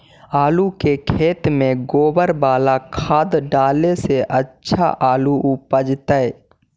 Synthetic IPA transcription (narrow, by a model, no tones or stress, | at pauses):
aːlukekʰeːt̪mẽɡoːbəɾbaːlakʰaːd̪ɖaːleseʔətːʃʰa̰ʔaːluʔʊpəd͡ʒt̪əɛ